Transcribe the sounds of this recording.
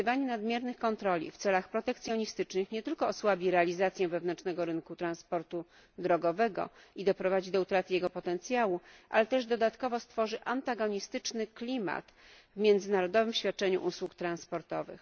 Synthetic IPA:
vaɲɛnad̪mʲjɛɾnɘxkɔnt̪ɾɔlʲḭft̪sɛlaxpɾɔt̪ɛkt̪sʲjɔɲist̪ɘt͡ʂnɘxɲɛt̪ɘlkɔːswabʲiɾɛalʲizat̪sʲjɛ̃vɛvnɛnt͡ʂnɛɡɔɾɘnkut̪ɾanspɔɾt̪u | d̪ɾɔɡɔvɛɡɔ̰id̪ɔpɾɔvad͡ʑid̪ɔut̪ɾat̪ɘjɛɡɔpɔt̪ɛnt̪sʲjawuʔa̰lɛt̪ɛʐd̪ɔd̪at̪kɔvɔst̪fɔʐɘʔant̪aɡɔɲist̪ɘt͡ʂnɘklʲima̰t̪ | vmʲjɛnd̪zɘnaɾɔd̪ɔvɘmɕfʲjat̪̚t͡ʂɛɲṵʔuswukt̪ɾanspɔɾt̪ɔvɘ̰x

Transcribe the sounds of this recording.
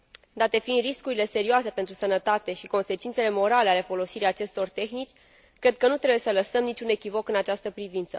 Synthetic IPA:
d̪at̪e̞find̪riskuɾile̞se̞ɾioase̞pe̞nt̪ɾusənət̪at̪e̞ʃiko̞nse̞t͡ʃint̪se̞le̞mo̞ɾale̞ale̞fo̞lo̞siɾijat͡ʃe̞st̪o̞rt̪e̞xnit͡ʃʲ | kɾe̞d̪̚kənut̪ɾebujesələsəmnit͡ʃʲune̞kʲivo̞kɨnat͡ʃast̪əpɾivint̪sə

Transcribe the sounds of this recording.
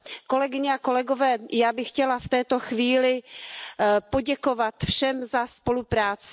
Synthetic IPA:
ko̞lɛɡɪɲɛako̞lɛɡo̞vɛːjaːbɪxcɛlaft̪ɛːt̪o̞xviːlɪ | po̞ɟɛko̞vat̪fʃɛmzaspo̞lupɾaːt͡sɪ

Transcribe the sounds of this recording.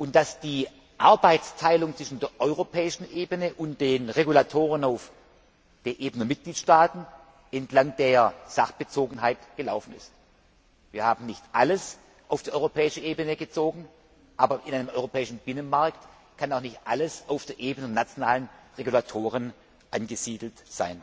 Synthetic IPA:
ʔʊnt̚d̥asd̥iː | ʔaɐbaɪtt͡stʰaɪlʊŋt͡sv̥ɪʃn̩deːɐʔɔʏʁopʰɛːɪʃn̩ʔeːbənəʔʊntd̥eːnʁeɡulatʰoːʁ̞ənaʊf | d̥eːnʔeːbənəmɪt̚ɡ̥liːtʃtaːtn̩ | ʔɛntlaŋd̥eːɐz̥aχb̥ət͡soːɡŋ̩ɦaɪtɡ̥əlaʊfn̩ɪ̰st | viːɐhaːbm̩nɪçtʔaləs | ʔaʊfd̥iːʔɔʏʁopʰɛːɪʃəʔeːbənəɡət͡soːɡŋ̩ | ʔaːbɐʔɪnʔaɪnəmʔɔʏʁopʰɛːɪʃn̩b̥ɪnənmaɐkt | kʰanaʊxnɪçtʔaləsaʊfd̥eːɐʔeːbənnat͡sjonaːlənʁeɡulatʰoːʁən | ʔanɡəziːdl̩tz̥a̰ɪn

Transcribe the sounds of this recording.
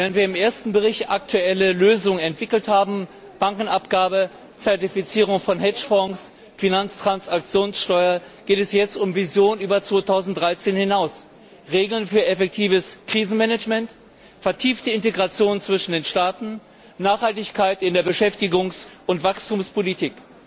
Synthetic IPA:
veːʁəntv̥iːɐɪmʔeːɐstn̩bəʁ̞ɪçtak̚tʰuɛləløːzʊŋənɛntv̥ɪkl̩thaːbm̩ | b̥aŋkŋ̩apɡ̥aːbə | t͡sɛɐtifit͡siːʁʊŋfɔnɦɛt͡ʃfɔŋs | finant͡stʁ̥ansak̚t͡sjoːnsʃtɔʏɐɡ̥eːtɛsjɛt͡stʊmvizjoːnyːbɐt͡sv̥oːtʰaʊzn̩td̥ʁaɪt͡seːnhɪnaʊs | ʁeːɡl̩nfyːɐɛfɛk̚tʰiːvəskʁ̥iːzn̩mɛnɛd͡ʒmɛnt | fɛɐtʰiːftəɪnteɡʁat͡sjoːnt͡sv̥ɪʃn̩deːnʃtaːtn̩ | naːχhaltɪçkʰaɪtɪndeːɐbəʃɛftɪɡʊŋsʔʊntv̥akstʰuːmspʰolitʰiːk

